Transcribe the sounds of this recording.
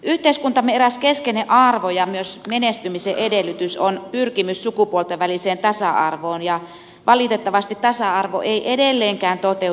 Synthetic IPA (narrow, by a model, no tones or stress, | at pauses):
yht̪eiskunt̪ɑmeræskeskeneʔɑrʋojɑmyøsmenest̪ymiseʔedelːˑyt̪ysonpyrkimyssukupuolt̪eʋʋæliseːnt̪ɑsɑɑ̰rʋoːnjɑ | ʋʔɑlit̪et̪ːɑʋɑst̪it̪t̪ɑsɑɑrʋo̰ʔeiʔedelːeːŋkæːnt̪ot̪e